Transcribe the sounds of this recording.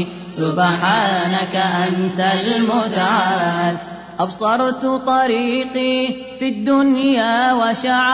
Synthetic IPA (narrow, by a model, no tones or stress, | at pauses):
sʊbħaːnakaʔant̪almʊt̪aʕaːl | ʔɑbsˤɑɾˤt̪t̪ˤɑɾiːqiː | fid̪ːʊnjaːwaʃaʕ